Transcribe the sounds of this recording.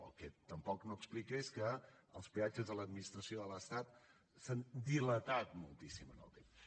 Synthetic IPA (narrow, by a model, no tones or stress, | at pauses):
ə̰kɛt̪əmpɔknoəksplikeskəəlˠspiad͡ʒəzðələd̪̚minist̪ɾəsioðələst̪at̪ | sand̪ilət̪at̪mulˠt̪isimənə̰lˠt̪ems